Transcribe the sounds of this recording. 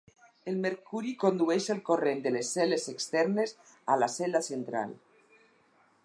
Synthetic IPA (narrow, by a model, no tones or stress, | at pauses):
elmeɾkuɾikond̪uɛʃelˠkorend̪elesːɛlezekst̪ɛɾnes | a̰lasɛlasent̪ɾa̰l